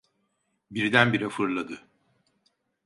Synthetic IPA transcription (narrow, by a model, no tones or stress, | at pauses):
biɾd̪ænbiɾɛfɯɾlˠad̪ɯ